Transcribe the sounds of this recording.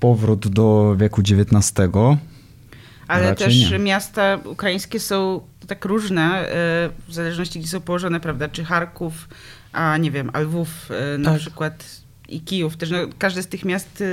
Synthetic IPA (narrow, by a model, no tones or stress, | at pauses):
pɔvɾud̪d̪ɔvʲjɛkud͡ʑevʲjɛt̪nast̪ɛɡɔ | ʔalɛt̪ɛʂɛmʲjast̪aṵkɾajĩj̃skʲɛsɔ̃w̃ | t̪akɾuʐnɛ | vzalɛʐnɔɕt͡ɕiɡd͡ʑɛsɔ̃w̃pɔwɔʐɔnɛpɾavd̪aʈ͡ʂɨxaɾkuf | ʔaɲɛvʲjɛmʔa̰lvufnapʂɘkwat̪ | ḭkʲijuft̪ɛʂnɔkaʐd̪ɘst̪ɘxmʲjast̪